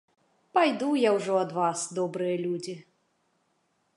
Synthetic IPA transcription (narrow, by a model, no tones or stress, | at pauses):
pajd̪ujawʐɔɐd̪vasd̪ɔbɾɨjɐlʲud͡zʲi